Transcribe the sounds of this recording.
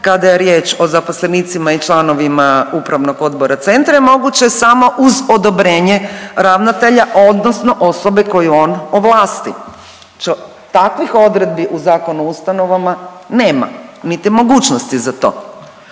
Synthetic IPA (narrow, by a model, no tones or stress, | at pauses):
kad̪ajeɾje̞ːt͡ʃo̞zapo̞sleniːt̪simait͡ʃlˠano̞ʋimaupɾaʋno̞ɡo̞d̪bo̞ɾat̪se̞nt̪ɾaemo̞ɡut͡ɕesamo̞ʔuzo̞d̪o̞bɾe̞ːɲeɾaʋnat̪eʎaʔo̞d̪nosno̞ʔo̞so̞beko̞juo̞noʋlˠaːst̪i | t͡ʃo | t̪akʋixo̞d̪ɾe̞d̪̚biʔuzaːko̞nuust̪ano̞ʋama | ne̞ːma̰nit̪imo̞ɡuːt͡ʃnost̪izat̪o̞̰ː